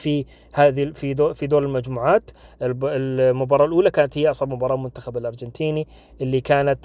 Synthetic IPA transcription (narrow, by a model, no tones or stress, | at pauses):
fi | haːðifid̪fid̪oːɾɪlmad͡ʒmuːʕaːt̪ɪlmʊbɑːɾˤɑːlʔuːlakaːnat̪hɪjːaʔɑsˤʕɑbmʊbɑːɾˤɑːlmʊnt̪axabɪlʔɑɾˤd͡ʒɪnt̪ʰiːni | ʔɪlːikaːnat̪